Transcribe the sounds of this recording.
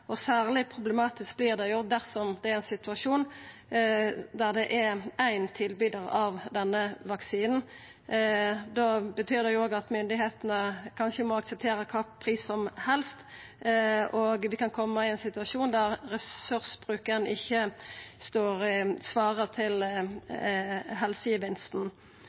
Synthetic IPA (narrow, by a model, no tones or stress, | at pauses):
ɔsæːʁlɪpʰʁʊblɛmɑːt̪ɪsk̚bliːʁd̪ɛjʊd̪æʁsɔmd̪ɛæɾæɪnsɪt̪ʉɑʂuːn | d̪æʁd̪ɛʔæɾæɪnt̪ʰɪlbyːd̪əʁɑʋd̪ɛnːəʋɑksiːnn̩ | d̪ɑbət̪ʰyːʁd̪ɛjʊoːɡɑt̪mʏnd̪ɪheːt̪nəkʰɑnʃəmɔɑksɛp̚t̪ʰeːɾəkʰɑːpʰʁiːsɔmhɛlst̪ | oɡʋɪkɑnkʰɔmːəɪɛɪnsɪt̪ʉɑʂuːnd̪æʁɾɛsʉʁsbʁʉːkəɾnəɪçːəst̪oːɾsʋɑːʁəʁt̪ʰɪl | ɦɛlsəɪʋɪnst̪n̩